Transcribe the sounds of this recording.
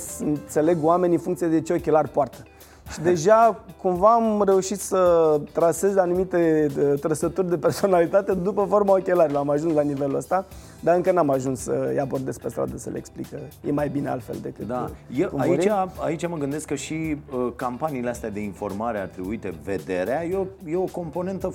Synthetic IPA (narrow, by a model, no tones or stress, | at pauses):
ɨnt̪se̞le̞ɡwame̞niɨnfuŋkt̪sied̪e̞t͡ʃeo̞kʲe̞larʲpoart̪ə̥ | ʃid̪e̞ʒakumvaːmre̞uʃit̪sət̪ɾase̞zanumit̪e̞t̪ɾəsət̪urʲd̪e̞pe̞rso̞nalit̪at̪e̞d̪upəfo̞rmaokʲe̞laɾʲiloɾamaʒunslanive̞luəst̪a | d̪aɨŋkənamaʒunssə̰jabo̞rd̪e̞spest̪ɾa̰d̪əsə̰lḛḛksplḭkəjemajbinea̰lfe̞̰ld̪e̞̰kɨtd̪ajekumaoiɾit͡ʃaait͡ʃaməɡɨnd̪e̞skəʃiəkampaniːleast̪ead̪e̞info̞̰rmaɾea̰rt̪ɾibuit̪ḛvḛd̪e̞̰ɾeajeojeoko̞mpo̞ne̞nt̪ə